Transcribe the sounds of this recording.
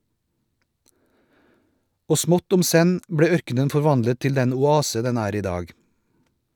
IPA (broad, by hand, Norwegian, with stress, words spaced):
ˈoː ˈsmɔt ˈʊm ˈsɛn ˈbɽeː ˈœɾkənən fɔɾˈʋɑndlə ˈtɪl ˈdɛn ʊˈɑːsə ˈdɛn ˈæːɾ ˈiː ˈdɑːɡ